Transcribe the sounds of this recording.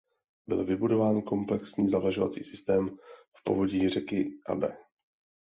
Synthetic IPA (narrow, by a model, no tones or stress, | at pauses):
bɪ̰lvɪbudo̞vaːnko̞mplɛksɲiːzavlaʒova̰t͡sḭːsɪst̪ɛːmfpo̞̰vo̞ɟiːr̝ɛkɪʔa̰bɛː